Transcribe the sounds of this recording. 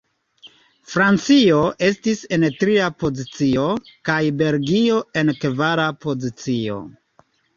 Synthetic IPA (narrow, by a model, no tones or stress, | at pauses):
fɾant͡sio̞ʔe̞stise̞ntɾiapo̞zit͡sio̞kajbe̞lɡio̞e̞nkvaɾapo̞zit͡sio̞̰